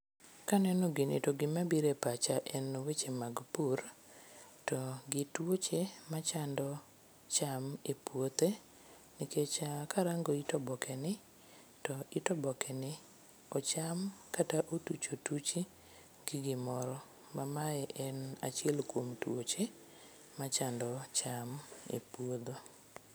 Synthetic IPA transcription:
kanɛnɔɡɪnɪ̰toɡɪmabiɾepat͡ʃaʔɛnowet͡ʃemaɡpuɾ | tɔɡɪtwot͡ʃemat͡ʃandɔ | t͡ʃamepwot̪e | nɪket͡ʃakʰaɾaŋɡoitɔbɔkʰɛnɪ | tɔɪtɔbɔkʰɛnɪ | ɔt͡ʃamkataʔotut͡ʃotut͡ʃi | ɡɪɡɪmɔɾɔ | mamaɛʔɛna̰t͡ʃɛlkwomtwot͡ʃe | mat͡ʃandɔt͡ʃamḛpuod̪o

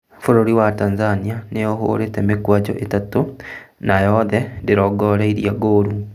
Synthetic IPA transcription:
foɾoɾiwatanzanianeoɦo̰ɾetɛmekwad͡ʒɔ̰ʔetato | najɔðɛndeɾɔɡɔɾaiɾiaɡoːɾu

